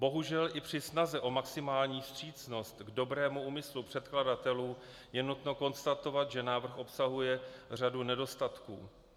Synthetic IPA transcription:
bo̞ɦuʒɛlʔɪpr̝̥ɪsnazɛʔo̞maksɪmaːlɲiːfst̪r̝̥iːt͡sno̞st̪ɡdo̞bɾɛːmuuːmɪslupr̝̥ɛt̪kladat̪ɛluː | jɛnut̪no̞ko̞nst̪at̪o̞vat̪ʒɛnaːvr̩xʔo̞psaɦujɛr̝adunɛdo̞st̪at̪kṵː

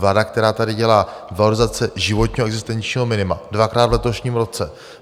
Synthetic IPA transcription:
vlaːdak̚t̪ɛɾaːt̪adɪɟɛlaːvaloɾɪzat͡sɛʒɪvo̞t̪ɲiːɦʔɛɡzɪst̪ɛnt͡ʃɲiːɦo̞mɪnɪmadvakɾaːd̪vlɛt̪o̞ʃɲiːmɾo̞t͡sɛ

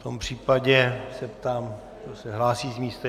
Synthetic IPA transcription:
ft̪ompr̝̥iːpaɟɛsɛpt̪aːm | d̪osɛɦlaːsiːzmiːst̪ɛ

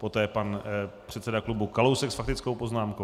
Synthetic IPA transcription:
po̞t̪ɛːpanpr̝̥ɛt̪sɛdaklubukalowsɛksfak̚t̪ɪt͡skowpo̞znaːmkow

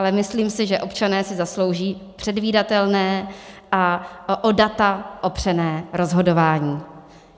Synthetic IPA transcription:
ʔalɛmɪsliːmsɪʒɛʔo̞pt͡ʃanɛːsɪzaslo̞wʒiːpr̥ɛdviːdat̪ɛlnɛːʔaʔodat̪aʔopr̝̥ɛnɛːɾo̞zɦo̞do̞vaːɲiː

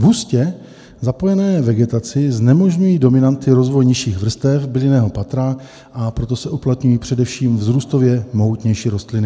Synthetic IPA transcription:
vuscɛ | zapo̞jɛnɛːvɛɡɛt̪at͡sɪznɛmo̞ʒɲujiːdo̞mɪnant̪ɪɾo̞zvo̞jɲɪʃiːɣvr̩st̪ɛfbɪlɪnɛːɦo̞pat̪ɾa | ʔapɾo̞t̪osɛʔuplat̪ɲujiːpr̝̥ɛdɛfʃiːmvzɾuːst̪o̞vjɛmo̞ɦut̪ɲɛjʃiːɾo̞st̪lɪnɪ

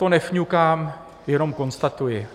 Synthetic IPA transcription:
t̪onɛfɲukaːm | jɛno̞mko̞nst̪at̪ujɪ

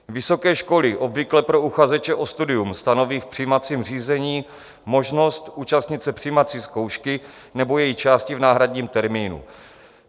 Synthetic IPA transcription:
vɪso̞kɛːʃko̞lɪʔo̞bvɪklɛpɾo̞uxazɛt͡ʃɛʔo̞st̪udɪjumst̪ano̞viːfpr̥ijmat͡siːmr̝iːzɛɲiː | mo̞ʒno̞st̪uːt͡ʃast̪ɲɪt̪sɛpr̝̥ijmat͡siːsko̞wʃkɪ | nɛbo̞jɛjixt͡ʃaːscɪvnaːɦɾadɲiːmt̪ɛɾmiːnṵ

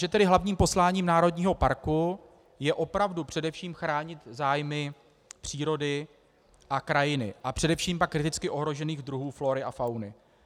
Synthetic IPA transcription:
ʒɛt̪ɛdɪɦlavɲiːmpo̞slaːɲiːmnaːɾo̞dɲiːɦo̞paɾku | jɛʔo̞pɾavdupr̥ɛdɛfʃiːmxɾaːɲɪt̪zaːjmɪ | pr̥iːɾo̞dɪ | ʔakɾajɪnɪ̰ʔapr̝̥ɛdɛfʃiːmpakːɾɪt̪ɪt͡skɪʔo̞ɦɾo̞ʒɛniːɣd̪ɾuɦuːfloɾɪʔafawnɪ

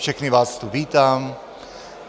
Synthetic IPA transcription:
fʃɛxniʋaːst̪uʋiːt̪aːm

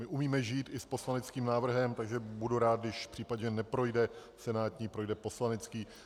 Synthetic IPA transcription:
mɪʔumiːmɛʒiːt̪ɪsposlanɛt͡skiːmnaːvr̩ɦɛmt̪aɡʒɛbuduɾaːt̪̚dɪʃfpr̝̥iːpadɲɛnɛpɾo̞jdɛ | sɛnaːt̪ɲiːpɾo̞jdɛpo̞slanɛt͡skiː

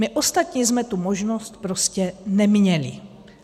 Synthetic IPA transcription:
mɪʔost̪at̪ɲiːzmɛt̪umoʒnost̪pɾo̞scɛnɛmɲɛlɪ̰

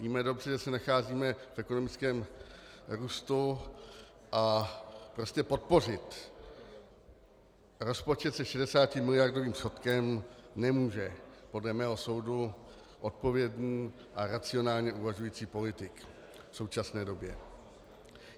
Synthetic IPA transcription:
viːmɛdo̞br̝ɛʒɛsɛnaxaːziːmɛfʔɛko̞no̞mɪt͡skɛːm | ɾuːst̪u | ʔapɾo̞scɛpo̞t̪̚po̞r̝ɪt̪ | ɾo̞spo̞t͡ʃɛt̪sɛʃɛdɛsaːcɪmɪlɪjaɾdo̞viːmsxo̞t̪kɛmnɛmuːʒɛpo̞dlɛmɛːɦo̞so̞wdu | ʔo̞t̪̚po̞vjɛdɲiː | ʔaɾat͡sɪo̞naːlɲɛʔuvaʒujiːt͡siːpo̞lɪt̪ɪk | fso̞wt͡ʃasnɛːdo̞bjɛ

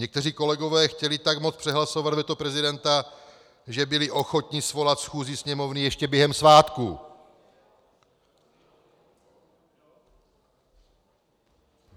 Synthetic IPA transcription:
ɲɛk̚t̪ɛriːko̞lɛɡo̞vɛːxcɛlɪt̪aɡmot͡spr̥ɛɦlaso̞vad̪vɛt̪opɾɛzɪdɛnt̪a | ʒɛbɪlɪʔo̞xo̞t̪ɲɪsvo̞lat̪sxuːzisɲɛmo̞vnɪjɛʃcɛbjɛɦɛmsvaːt̪ku

